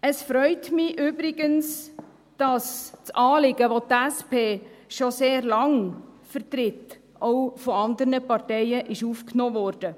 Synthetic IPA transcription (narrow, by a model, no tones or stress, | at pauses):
əsfɾœʏtmɪʔʏbɾɪɡəns | d̥ɑst͡sʔɑːlɪɡ̥əʋotæspʰeːʃoseːrlɑŋfəɾtɾɪt | ʔowfɔɑnd̪əɾnəpɑrtɛɪəʔɪʃuːfknoːʋɔːrd̥ə